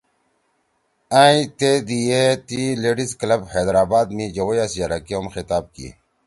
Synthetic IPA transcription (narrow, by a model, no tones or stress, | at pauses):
aːĩt̪ed̪ijet̪ileːɖisklɐbheːd̪ɾaːbaːd̪mid͡ʑɐwojasijaɾɐkoːmxit̪aːb̚kḭ